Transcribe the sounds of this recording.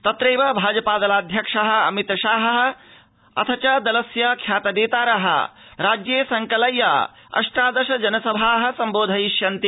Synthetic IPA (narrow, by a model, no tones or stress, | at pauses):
t̪ɐt̪ɾeːʋɐbʱaːd͡ʒɐpaːd̪ɐlaːd̪ʱjɐkʂɐɦɐ̆ɐ̰mit̪ʃaːɦɐɦɐ̆ | ɐ̰t̪ʰɐt͡ʃɐd̪ɐlɐsjɐkʰjaːt̪ɐd̪eːt̪aːɾɐɦɐ̰ | ɾaːd͡ʒjeːsɐŋkɐlɐja̰ | ɐ̰ʂʈɾaːd̪ɐʃɐd͡ʒɐnɐsɐbʱaːɦɐ̆sɐmboːd̪ʱɐjiʃjɐnt̪i